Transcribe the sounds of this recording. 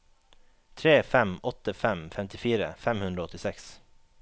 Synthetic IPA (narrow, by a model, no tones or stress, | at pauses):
t̪ʰɾeːfɛmɔt̪əfɛmfɛmt̪ɪfiːɾə̰fɛmhʉnd̪ɾoːɔt̪ɪsɛks